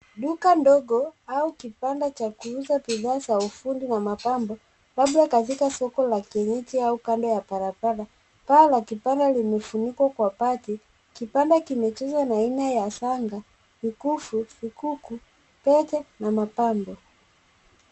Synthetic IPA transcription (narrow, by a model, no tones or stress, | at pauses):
ɗukandɔɡɔaukipandat͡ʃakuuzapiðaːsaufundinamapambɔ | laɓlakatikasɔkɔlakɛɲɛtiaukandɔjapaɾapaɾa | palakipandalimɛfunikwakwapati | kipandakimɛt͡ʃɛzwanainajasaŋɡa | mikufufikuku | pɛtɛnamapambɔ